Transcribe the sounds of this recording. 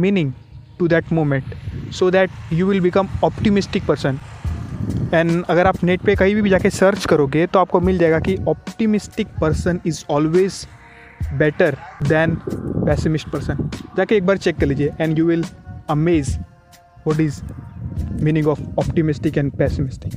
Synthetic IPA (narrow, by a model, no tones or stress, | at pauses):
miːnɪ̃ŋɡ | ʈud̪ɛʈmoːmẽɳʈsoːd̪æʈjuːʋɪlbɪkə̃mɔpʈimɪsʈɪk̚pəɾsə̃n | ɛ̃ɳɐɡəɾaːpneʈ̚pekɐɦibʱibʱid͡ʒaːkesəɾt͡ʃkɐɾoɡet̪oaːp̚komɪld͡ʒaeɡakiʔɔp̚ʈimɪsʈɪk̚pəɾsənɪzɔːlʋeːz | bɛʈəɾd̪ɛ̃npɛsɪmɪsʈ̚pəɾsə̃nd͡ʒaːkeeːk̚baːɾt͡ʃekːəɾliːd͡ʒieʔɛ̃ɳɖjuːʋɪlɐmeːz | ʋɔʈ̬ɪz | miːnɪ̃ŋɔːfɔpʈimɪsʈɪkɛ̃ɳɖpɛsɪmɪsʈɪk